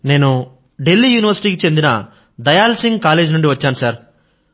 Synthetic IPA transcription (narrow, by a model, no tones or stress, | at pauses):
ne̞ːnu | ɖe̞lːiːjuːniʋɐɾsi̥ʈiːkit͡ʃe̞nd̪inɐ̰ | d̪ɐjaːlsiŋɡkaːleːd͡ʒnuɳɖiʋɐt͡ʃːaːnusaːɾ